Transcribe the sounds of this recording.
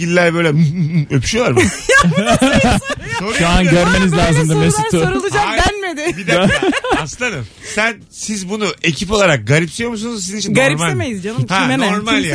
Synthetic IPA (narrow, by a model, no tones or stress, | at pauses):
ilʲːæɾbø̞jlʲɛøpʰy̥ʃjo̞lˠaɾma | so̞ɾʃuanɟœɾmenizlʲaːzɯmd̪amesit̪ʰːuoɾulˠud͡ʒad̪ænmed̪ɪbid̪aslˠanɯm | sæn | sizbunue̞cʰipo̞lˠaɾak̚ɡaɾipsijo̞ɾmusunuzs̬izinit͡ʃʰinɡaɾiɾmalʲmejizd͡ʒanmhɛmenoɾmalʲja